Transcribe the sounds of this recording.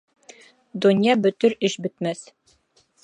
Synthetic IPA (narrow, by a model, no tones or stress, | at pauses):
d̪ŏnʲjɑbɵ̆t̪ɵɾɘʃbɵ̆t̪mæs